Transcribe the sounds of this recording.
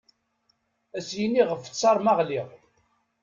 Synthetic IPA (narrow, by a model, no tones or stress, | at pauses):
æsjinːiʁəfə̥t͡sːɑɾˤmɑʁliʁ